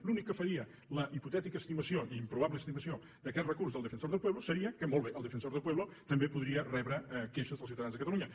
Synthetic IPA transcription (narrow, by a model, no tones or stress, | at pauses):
lunikːəfəɾiə | ləʔiput̪ɛt̪ikəst̪iməsioʔiimpɾuβaβləːst̪iməsio | d̪əkɛt̪rəkurszðəlˠd̪əfənsoɾðəlˠpweβlusəɾiəkəmolˠβeʔəlˠd̪əfənsoɾðəlˠpwɛβlət̪əmbepuðɾiərɛβɾəkeʃəzðəlˠsiuwt̪əðanzðəkət̪əluɲə